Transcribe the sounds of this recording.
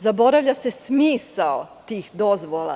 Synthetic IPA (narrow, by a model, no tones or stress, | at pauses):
zabo̞ɾaʋʎase̞smiːsaot̪iːxd̪o̞zʋolˠa̰